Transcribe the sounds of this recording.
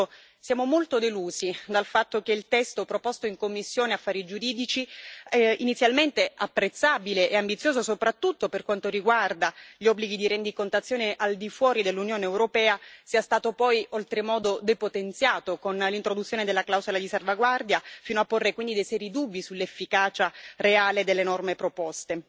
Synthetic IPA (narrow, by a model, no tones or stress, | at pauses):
sjaːmomolt̪od̪eluːzid̪alfat̪ːokeilt̪ɛst̪opɾopost̪oiŋkomːisːjoːneafːaːɾid͡ʒuɾiːd̪it͡ʃi | init̪sːjalment̪eapːɾet̪sːabileʔeambit̪sːjoːzosopɾat̪ːut̪ːoperkwant̪oɾiɡward̪aʎiɔbːliɡid̪iɾend̪ikont̪at̪sːjoːneʔald̪ifwɔːɾid̪elːunjoːneːwɾopɛːasiːast̪aːt̪opɔjolt̪ɾemɔːd̪od̪epot̪ent̪sjaːt̪okonlint̪ɾod̪ut̪sjoːned̪elːaklawzolad̪isalvaɡward̪jafiːnoapːorːekwind̪id̪ejsɛɾid̪ubːisulːefːikaːt͡ʃareaːled̪elːenɔrmepɾopɔst̪e